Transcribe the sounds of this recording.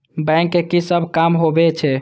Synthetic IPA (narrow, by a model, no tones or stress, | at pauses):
bɛŋkːekisəbʱkamɦobɛt͡ʃʰɛ